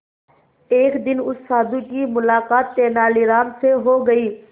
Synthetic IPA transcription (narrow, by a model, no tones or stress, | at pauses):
eːkd̪ɪnʊsːaːd̪ũkimʊlaːkaːt̪ːeːnaːliːɾaːmseɦoːɡəiː